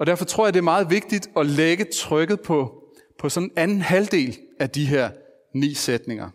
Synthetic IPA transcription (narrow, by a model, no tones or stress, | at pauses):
ɒ̽d̥æɐfɒ̽t͡sʰʁo̝ɐ̰jɑ̈d̥e̝ɐmɑ̈ːð̞̩ˠʋe̝ɡ̥̚d̥id̥ɒ̽leɡ̥ət͡sʰʁœɡ̥ð̞̩ˠpʰɒ̽ | pʰɒ̽sɒ̽nenænn̩hæld̥e̝̰ːlæd̥iɦæɐ̰ | nḭːsed̥ne̝ŋɐ